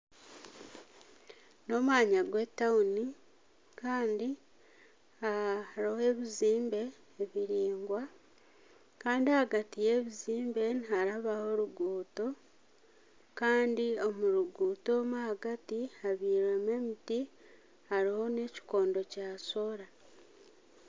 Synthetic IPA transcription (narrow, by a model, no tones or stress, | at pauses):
no̞mwaːɲaɡwe̞tːauni | kaːndi | aɾohe̞βiziːmbe̞ː | βiɾiːŋɡwa | kaːndiahaɡatije̞βiziːmbe̞nihaɾaβaho̞ɾuɡuːto̞ | kaːndio̞muɾuɡuːto̞mahaɡatihaβiːɾome̞miti | haɾiho̞ne̞ci̥ko̞ːndo̞caːso̞ɾa